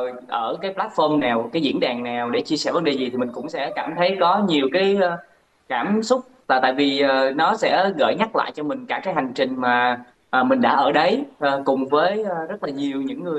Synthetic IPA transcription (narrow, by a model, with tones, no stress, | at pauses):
j | ʔəː˧˩kaː˨˦jplaː˦˥t̚fɔ˧mnaː˨˩wkaː˨˦jzḭ˧˥nɗaː˨˩ŋnaː˨˩wɗḛ˧˩t͡ɕi˧əsɛ˧˩və˨˦nɗe˨˩zi˨˩t̪ʰi˨˩mï˨˩ŋ̟kʊ̰˧˥ŋ͡msɛ̰˧˥kaː˧˩mt̪ʰə˨˦jɣɔ˨˦ɲi˨˩əwkaː˨˦jː | kaː˧˩msʊ˦˥k͡p̚laː˨˩t̪a̰ː˧˨jvi˨˩ʔːnɔ˨˦sɛ̰˧˥ɣə̰ː˧˩jɲa˦˥t̚la̰ː˧˨jt͡ɕɔ˧mï˨˩ŋ̟kaː˧˩kaː˨˦jɦa˨˩jŋ̟t͡ɕï˨˩ŋ̟maː˨˩ | ʔəː˨˩mï˨˩ŋ̟ɗa̰ː˧˥ʔəː˧˩ɗə˨˦jʔːkʊ˨˩ŋ͡mvəː˨˦jːzə˦˥t̚laː˨˩ɲi˨˩əwɲɨ̰˧˥ŋːɨ˨˩əj